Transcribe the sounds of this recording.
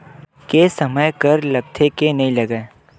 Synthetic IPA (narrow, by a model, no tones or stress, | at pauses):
keːsɐməjkəɾlɐɡ̚t̪ʰekenɐɦĩlɐɡaː